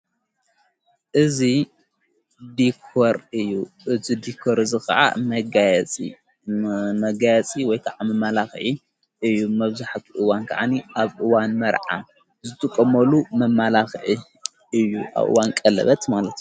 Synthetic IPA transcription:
ʔɨzi | d̪ikʰoɾɨjːuɨzʰid̪ikʰoɾɨzikʰɐ̰ʕa̰mɐɡajɛt͡sʼḭ | mɐɡajɛt͡sʼiwɔjkʰaʕamɐmːalaxʕi | ʔɨjːumɐβzaħat̪ʰiʔɨwankʰa̰ʕaniʔaβʔɨwanmɐɾʕa̰ | zɨt̪ʰʼɨkʼːɐmɐlumɐmːalaxʕi | ɨjːuʔa̰βʔɨ̰wankʼɐlɐ̰βɐt̪malɐt̪

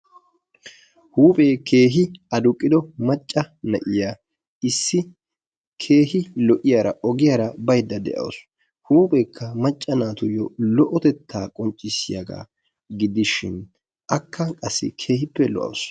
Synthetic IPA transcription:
huːpʼeːkʰe̞ːɦɪɐd̪ʊkʼːɪd̪ɔmɐt͡ʃʼːɐnɐʔɪjaː | ɪsːɪ | kʰe̞ːhɪlɔʔɪjaːɾɐ̰ʔɔɡɪjaːɾɐbɐjd̪ːɐd̪ɛ̰ʔɐ̰ws | huːpʼeːkʰːɐmɐt͡ʃʼːɐnaːt̪ʊjɔlɔʔɔt̪ɛt̪ːaːkʼɔnt͡ʃʼːɪsːɪjɐ̰ɡa̰ː | ɡɪd̪ɪʃɪn | ʔɐkʰːɐkʼɐsːɪ̰kʰe̞ːhɪpːɛlɔ̰ʔɐ̰ws

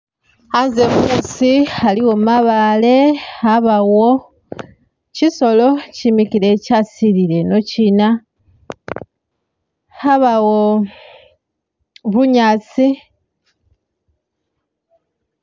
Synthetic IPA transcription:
anzemusialiwomaβale̞aβawo | ciso̞lo̞cimikile̞casiɾiɾe̞no̞cina | aβawo | βuɲat͡si

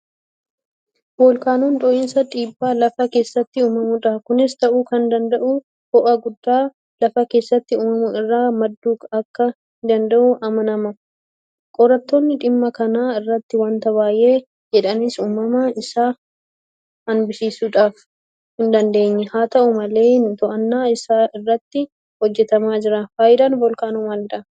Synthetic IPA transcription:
boːlkaːnuːnᶑ̪ʼɔʔɪnsɐᶑ̪ʼiːbːaːlɐfɐke̞ːsːɐt̪ːɪuːmɐmʊᶑaːkʊnɪst̪ɐʔuːkɐnd̪ɐnd̪ɐʔʊ | hɔʔɐɡʊd̪ːaː | lɐfɐke̞ːsːɐt̪ːɪuːmɐmʊɪrːaːmɐd̪ːuːkɐkːɐ | ɪd̪ɐnd̪ɐʔʊʔɐmɐnɐmɐ | kʼɔɾɐt̪ːoːnːɪᶑɪmːɐkɐnaːɪrːɐt̪ːɪwaːnt̪ɐbaːjʔe̞ː | d͡ʒɛᶑɐnɪsuːmɐmɐɪsaː | hɐnbɪsiːsuːᶑaːf | hɪnd̪ɐnd̪e̞ːɲːɛhaːt̪ɐʔʊmɐle̞ːnt̪ɔʔɐnːaːɪsaːɪrːɐt̪ːɪ | hɔd͡ʒːɛt̪ɐmaːd͡ʒɪɾɐfaːjɪd̪ɐnbɔlkaːnʊmɐnɪᶑɐ

